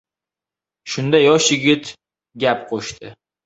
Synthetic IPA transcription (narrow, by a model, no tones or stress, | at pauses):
ʃʊnd̪ajɒʃjɪɡʲɪt̪ | ɡʲapqʰoʃt̪ʰɪ